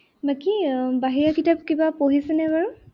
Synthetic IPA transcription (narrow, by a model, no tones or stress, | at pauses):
bakibaɦiɹakitap̚kibapoɦisɛnɛbaɹu